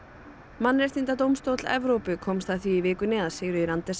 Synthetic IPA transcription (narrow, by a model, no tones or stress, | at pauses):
manːɾɛst̪int̪at̪owmst̪owt̪l̥ɛ̰vɾowpʏkʰɔːmst̪aθviivɪːkʏnɪːðaðsɪːɣɾʏiɾant̪ɛs